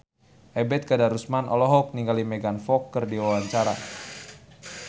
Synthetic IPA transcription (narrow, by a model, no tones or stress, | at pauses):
ʔɛbɛt̪̚kadaɾusmanʔɔlɔɦɔk̚niŋɡalimɛɡanfɔkːərdiwawaɲt͡ʃaɾa̰